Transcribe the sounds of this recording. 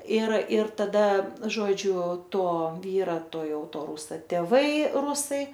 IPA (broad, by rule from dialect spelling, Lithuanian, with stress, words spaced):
ɪr ɪr tɐˈdɐ ˈʒoːd͡ʒʲʊ ˈtoː ˈʋʲiːrɐ ˈtoː ˈjɛʊ ˈtoː ˈruːsɐ tʲeːˈʋɐɪ ˈrʊsɐɪ